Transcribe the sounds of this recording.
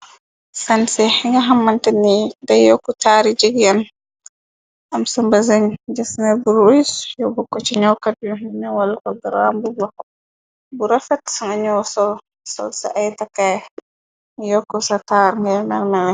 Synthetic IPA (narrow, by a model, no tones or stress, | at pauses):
sansɛiŋɡaɦamːantɛnːidajɔkːɔtaɾid͡ʒɛɡjan | ʔamsambazaɲd͡ʒɛsnabuɾoisjɔbɔkːɔt͡ʃiɲɔwkad̚ɔɲɔwalkɔbiɾa̰mbubɔ | buɾafɛtŋɡaɲɔwsɔl | sɔ̰lsa̰ʔajtakːaj | jɔkːɔsataɾŋɡamɛɾmɛlɛ